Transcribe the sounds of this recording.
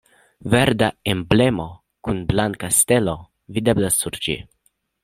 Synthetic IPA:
ve̞ɾd̪aemble̞mo̞ | kunblaŋkast̪e̞lo̞ | vid̪e̞blasuɾd͡ʒḭ

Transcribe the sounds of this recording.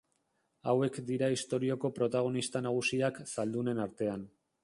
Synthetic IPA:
awe̞kd̪iɾaist̪o̞ɾio̞ko̞pɾo̞t̪aɣ̞o̞nist̪anaɣ̞usiaksald̪une̞naɾt̪e̞an

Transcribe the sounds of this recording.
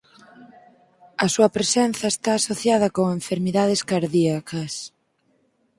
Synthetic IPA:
ɐsuɐpɾesen̟θɐest̪aːsoθjaðɐkoŋeɱfeɾmiðað̞eskaɾðiɐkɐs

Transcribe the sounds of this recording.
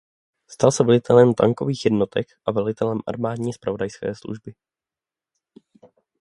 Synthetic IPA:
st̪alsɛvɛlɪt̪ʰɛlɛmt̪a̰ŋko̞viːxjɛdno̞t̪ʰɛkʔavɛlɪt̪ɛlɛmʔa̰ɾmaːdɲiːspɾʔavo̞dajskɛ̰ːslṵʒbɪ

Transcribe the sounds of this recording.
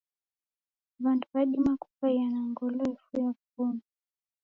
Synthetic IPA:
vandupaɗimaku̥fajanaŋɡɔlɔifujaupunu

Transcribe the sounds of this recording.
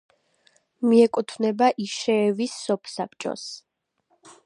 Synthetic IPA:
miɛkʼut̪ʰvnɛbaʔiʃɛːvisːɔpʰsap̚ʰʼt͡ʃʼɔ̰s

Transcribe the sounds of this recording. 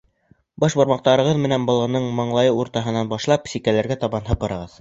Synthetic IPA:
bɑʃbɑ̆ɾmɑq̚t̪ɑɾɤ̆ʁɤðmɘ̆nænbɤ̆lˠʁɤ̆nːɤɴmɤ̆ɴlˠɑjɤuɾt̪ɑɦɤ̆nːɑnbɑʃlˠɑpsikælæɾɡæt̪ɑβɑnɦɤ̆pɤ̆ɾɤ̆ʁɤð

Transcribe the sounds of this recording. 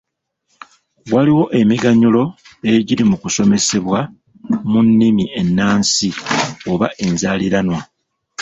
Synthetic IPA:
waliwo̞ʔe̞miɡaɲulo̞eɟiɾimukuso̞me̞se̞βwa | munːimiʔe̞nːaːnsio̞βaʔe̞nzaːliɾanwa

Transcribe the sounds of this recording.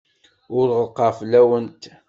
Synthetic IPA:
ʊɾʁəlqɑflːæwənt̪

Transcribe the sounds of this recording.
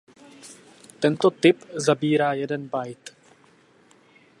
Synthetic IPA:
t̪ɛnt̪ot̪ɪpzabiːɾaːjɛdɛnbajt̪

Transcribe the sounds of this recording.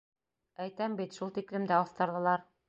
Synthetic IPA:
æjt̪æmbit̪ʃulˠt̪iklɘ̆md̪æɒθt̪ɑ̆ɾðɤ̆lˠɑɾ

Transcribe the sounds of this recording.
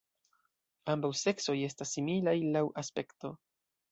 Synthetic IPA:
ambawse̞kso̞je̞s̬tasːimilajlawʔaspe̞kto̞

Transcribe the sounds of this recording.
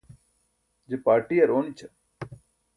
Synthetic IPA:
d͡ʒepaːɾʈijɐɾoːnit͡ʃʰɐ

